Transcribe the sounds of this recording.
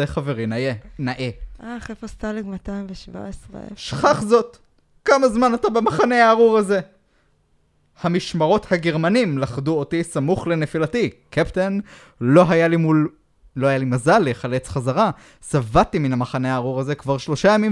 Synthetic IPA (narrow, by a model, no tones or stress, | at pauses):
eχaveʁinajenaʔeʔaχefost̪aleɡmatajmveʃva̰esʁḛʃχaχzo̞t | kamazmanatabemaχane̞aːʁuʁaze̞ | hamiʃmaʁo̞thaɡeʁmanimlaχduotisamuχle̞nefilatikepten | lo̞ɦajalimul | lo̞hajalimazalːeχalet͡sχazaʁa | savatiminamaχaneaːʁuʁazekvaʁʃlo̞ʃajamim